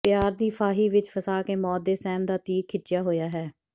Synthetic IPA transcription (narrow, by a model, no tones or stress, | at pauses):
pjaːɾd̪iːpʰaːɦiːʋɪt͡ʃpʰəsaːkeːmɔːd̪ːeːsɛːnd̪aːt̪iːkʰːɪd͡ʒɪjaːɦoːjaːɦɛː